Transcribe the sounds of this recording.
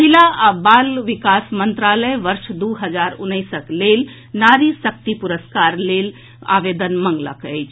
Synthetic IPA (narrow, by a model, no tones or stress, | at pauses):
pəɦilabaːlʋikasmənt̪ɾaləjʋəɾʃd̪uɦəd͡ʒaɾʊ̰nːəjsəklel | naːɾisək̚t̪ipuɾəskaɾleːl | a̰ʋed̪ənmə̃ŋɡlə̰kəjt͡ʃʰ